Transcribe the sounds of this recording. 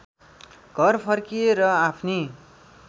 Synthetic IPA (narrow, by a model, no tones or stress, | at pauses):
ɡ̥ʱʌrpʰʌrkieɾʌapʰni